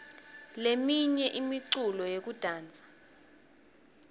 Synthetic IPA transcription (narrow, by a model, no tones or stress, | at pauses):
lemiɲɛʔimiǀulɔjek̬ud̥ʱaːnd͡zʱḁ